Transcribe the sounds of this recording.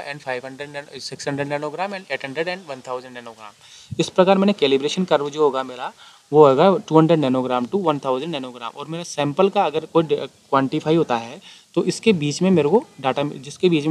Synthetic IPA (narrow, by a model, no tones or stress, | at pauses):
ɛ̃ːɖpʰaːɪʋɦɐ̃ɳɖɾəɖsɪksɦə̃ɳɖɾəɖnaːnoːɡɾaːmɛ̃ːɳeːʈɦə̃ɳɖɾəɖɛ̃ːɳɖʋɐ̃nt̪ʰaːʊzə̃ɳɖnaːnoːɡɾa̰ːmmɪspɾɐkaːɾmɛːnekɛːlibɾeːʃənkɐɾʋd͡ʒoɦoːɡamɪla | ʋoɦɛːɡaʈuːɦɐ̃ɳɖɾəɖnaːnoːɡɾaːmʈuʋɐnt̪ʰaːʊzə̃ɳɖnaːnoːɡɾa̰ːmʔɔ̰ːɾmeːɾasɛ̃ːmpəlkaɐɡəɾkoːikʋãːɳʈifʰaːiɦoːt̪aɦɛː | t̪oʔɪskebiːt͡ʃmẽmeːɾokoɖaːʈad͡ʒɪskebiːt͡ʃme